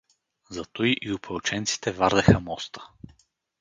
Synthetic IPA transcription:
zɐt̪ojʔiʊpɛt͡ʃɛnt̪si̥t̪ɛvaɾd̪ɛxəmɔst̪ə̥

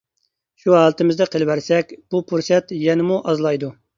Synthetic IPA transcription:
ʃuɦɑlˠət̪ɨmɪzd̪ɛqʰəlˠwæɾsɛkʲb̥upʰuɾsɛt̪jɛnɪmuʔɑzlˠɑjd̪u

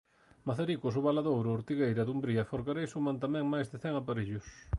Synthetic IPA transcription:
maθaɾikʊs̬ʊβalaðowɾʊːɾt̪iɣejɾɐðumbɾiɐfoɾɣaɾejsumant̪amɛ̃ŋmajzðɪθɛŋapaɾiʎʊs

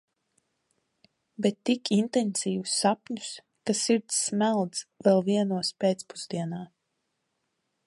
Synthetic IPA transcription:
bɛt̪ːikint̪ɛnsiːvusːapɲu̥s | kasiɾt̪sːmælˠd̪zvɛlˠviɛnuɔspeːt̪spuz̥d̪iɛnaː

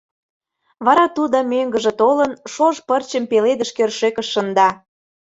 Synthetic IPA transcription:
βɑɾɑt̪ud̪əmøŋɡəʒĕt̪olənʃoʒpərt͡ɕəmpeled̪əʃkørʃekəʃːə̆nd̪ɑ

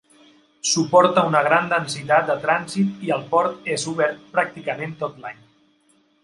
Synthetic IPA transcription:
supɔɾt̪əunəɣ̞ɾand̪ənsit̪at̪̚d̪ət̪ɾanzit̪iəlˠpɔɾt̪ezuβɛɾt̪̚pɾak̚t̪ikəment̪ot̪laɲ

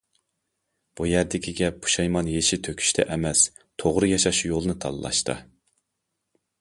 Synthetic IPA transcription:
b̥ujæɾd̪ɪkʲʰiɡʲɛpʰu̥ʃɑjmɑnjeʃit̪ʰøkʲʰy̥ʃt̪ʰɛ̰ʔɛmɛs | t̪ʰoʁɾɨjɑʃɑʃjolˠɨnɨt̪ʰɑ̰lˠlˠɑ̰ʃt̪ɨ̰

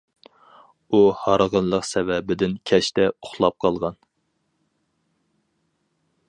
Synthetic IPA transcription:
uhɑɾʁənlˠəqsɛvɛbɪd̪ɪnkʲʰɛʃt̪ɛoχlˠɑp̚qʰɑlˠʁɑn

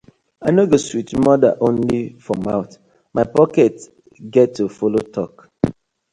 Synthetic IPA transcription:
aɪnoɡoswit͡ʃmɔda̰ʔõnlifɹɔmaʊt | maɪpɔkɛt | ɡɛtːufolotʰɔk

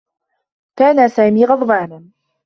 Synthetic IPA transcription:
kaːnasaːmiːɣɑd̪ˤbaːnan

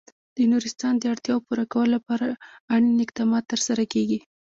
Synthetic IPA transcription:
d̪̥ənuɾɪst̪ɑnd̪əaɽt̪jɑwopuɾakawəlolapɑɾaaɽinɪq̚d̪ɑmɑt̪ːəɾsaɾakeɡi

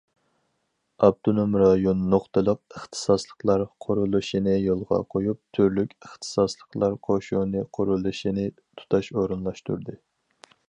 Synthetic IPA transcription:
ɑb̚t̪ʰonomɾɑjonːoχt̪ɨlˠəq̚əχt̪ʰɨ̥sɑslˠə̥qlˠɑɾqʰoɾulˠɨʃinɪjolˠʁɑ̰qʰojup̚t̪ʰyɾlykʲəχt̪ʰɨ̥sɑslˠəqlˠɑɾqʰoʃunɨqʰoɾulˠɨʃinɪ | t̪ʰu̥t̪ʰɑʃoɾɨnlˠɑʃt̪ṵɾd̪ɨ

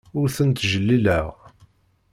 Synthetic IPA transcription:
ʊɾθənt̪ʒəlːiləʁ

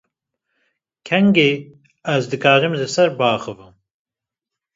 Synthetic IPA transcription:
kʰɛŋɡe | æzd̪ɨkʰaːɾɨmzɨsɐɾbaːxɨvɨm

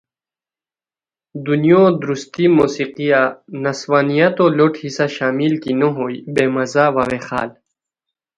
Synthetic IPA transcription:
d̪unjõd̪ɾust̪imoːsiqijanɐswaːnijat̪oːloʈhisaɕaːmilkinoɦoːibeːmɐzaːwawexa̰ːl

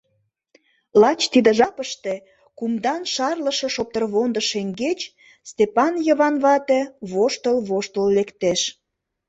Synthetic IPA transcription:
lɑt͡ɕt̪id̪ə̆ʒɑpəʃt̪e̽ | kumd̪ɑnʃɑrləʃĕʃop̚t̪ərβond̪əʃeŋɡet͡ɕ | st̪epɑnjəβɑnβɑt̪eβoʃt̪əlβoʃt̪əllekt̪eʃ

